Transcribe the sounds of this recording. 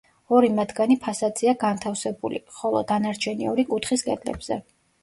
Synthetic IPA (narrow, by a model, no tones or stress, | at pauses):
ɔɾimat̪ʰɡanipʰasad̪ziaɡant̪ʰafsɛbṵlḭχɔlˠɔd̪anaɾt͡ʃʰɛniɔɾikʼut̪ʰχiskʼɛd̪lɛ̰bz̥ɛ̰